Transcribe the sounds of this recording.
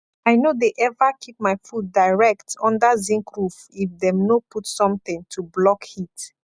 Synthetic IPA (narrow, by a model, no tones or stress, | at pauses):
aɪnodeʔɛvakʰip̚maɪfudaɪɹɛktɔ̃ndazĩŋkɹuf | ifdɛ̃mnoputsɔ̃mθĩŋtʰublɔkhit